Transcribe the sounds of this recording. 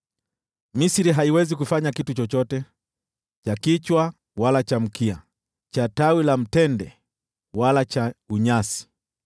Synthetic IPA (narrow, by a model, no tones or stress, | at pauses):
misiɾiɦaiwɛzik̬ufaɲakitut͡ʃɔt͡ʃɔtɛ | t͡ʃakit͡ʃwa | walat͡ʃam̩kia̰ | t͡ʃatawilam̩tɛndɛ | walat͡ʃauɲasi̥